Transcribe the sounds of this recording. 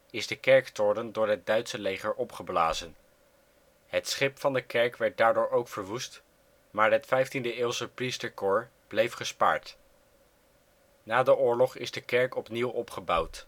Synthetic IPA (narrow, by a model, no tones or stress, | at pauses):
ɪzdəkɛɹktɔɹdəndʊːɹɦət̚dœɥtsəlejχəɹʔɔpχəbla̰ːzən | hətsχɪpfɑndəkɛɹkʋɛɹt̚daːɹdʊːɹowkfəɹʋust | maːɹɦətfɛjftindəɪːlˠsəpristəɹkʊːɹ | b̥lejfχəspa̰ːɹt | naːdəʔʊːɹlɔχɪzdəkɛɹkɔpniwʔɔpχəbʌwt